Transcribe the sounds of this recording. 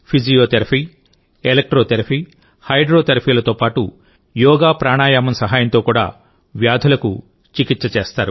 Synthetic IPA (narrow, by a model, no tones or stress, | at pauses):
pʰid͡ʒijoːt̪eɾɐpʰiː | elek̚ʈɾoːt̪eɾɐpʰiː | hɐjɖɾo̞ːt̪eɾɐpʰiːlɐt̪o̞ːpaːʈu | jɔːɡaːpɾaːɳaːjaːmɐmsɐɦaːjɐnt̪o̞ːkuːɽa̰ː | ʋjaːd̪ʱulɐkṵ | t͡ʃikit̪sɐt͡ʃeːst̪aːɾu